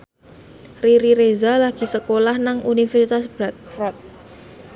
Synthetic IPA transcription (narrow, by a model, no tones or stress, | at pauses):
riɾiɾezalaɡ̥i̤səkolahnaŋunifɛrsit̪asbɾak̚fɾak̚